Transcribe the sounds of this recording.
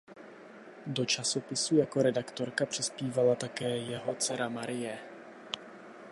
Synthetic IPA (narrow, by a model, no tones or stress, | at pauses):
do̞t͡ʃaso̞pɪsujako̞ɾɛdakt̪o̞ɾkapr̝̥ɪspiːvalat̪akɛːjɛɦo̞t͡sɛɾamaɾɪjɛ